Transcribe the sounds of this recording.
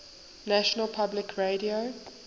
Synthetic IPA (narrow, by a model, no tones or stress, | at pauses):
næʃɔnəlˠpʰablɪkʰɹeɾio